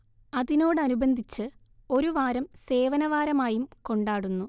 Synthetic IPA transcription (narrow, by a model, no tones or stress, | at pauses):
ɐðino̞ːɽɨɐnubɐnd̪ʱit͡ɕːɨ | o̞ɾuʋaːɾɐmse̞ːʋɐnɐʋaːɾɐmaːjumko̞ɳɖaːɽunːu